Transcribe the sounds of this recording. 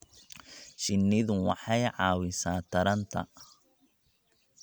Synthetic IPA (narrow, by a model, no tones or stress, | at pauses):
ʃɪnːɪðʊwɑ̰ħɑjʕɑːwɪsaːt̪ʰɐɾɐnt̪ʰɐ̰